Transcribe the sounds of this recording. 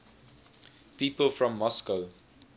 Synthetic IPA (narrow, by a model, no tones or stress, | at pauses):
piːpəlˠfɹɔ̃mːɔskəʊ